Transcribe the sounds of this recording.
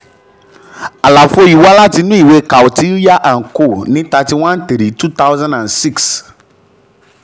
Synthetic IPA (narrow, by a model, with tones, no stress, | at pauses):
a˨la˨fo˦ji˨wa˦la˦tɪ˨˦nʊ̃˦i˨we˦ka˨wti˦li˦a˦ʔã˨n̩˨ko˦˨nɪ̃˦t̪a˨tɪ˦wã˦nt̪e˨ɾi˨tu˦t̪a˦wzã˦nã˨nsi˦ks